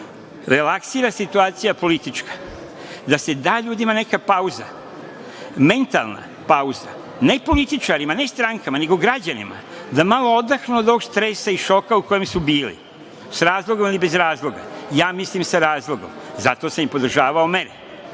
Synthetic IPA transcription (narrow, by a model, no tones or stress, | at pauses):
ɾe̞laksiːɾasit̪uaːt̪sijapo̞lit̪it͡ʃkḁ | d̪ase̞d̪aːʎuːd̪imane̞kapauza̰ | me̞nt̪a̰lˠna̰ | pauza̰ | ne̞po̞lit̪it͡ʃaɾimane̞st̪ɾaŋkamaneɡo̞ɡɾad͡ʑanḭma̰ | d̪amalo̞o̞d̪axnuod̪oɡst̪ɾe̞saiʃo̞kauko̞jemsubiːlḭ | sɾaːzlˠo̞ɡo̞milibe̞zɾaːzlˠo̞ɡa̰jaːmislimsaɾaːzlˠo̞ɡo̞̰mzat̪o̞samimpo̞d̪r̩ʒaːʋao̞me̞ɾe